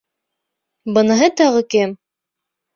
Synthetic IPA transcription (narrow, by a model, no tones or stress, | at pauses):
bɤ̆nɤ̆ɦɤt̪ɑʁɤkɘm